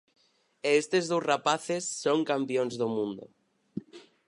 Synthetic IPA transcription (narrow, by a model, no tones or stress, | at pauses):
eest̪ezðowsrapaθesːoŋkampjonzðomũnd̪o̰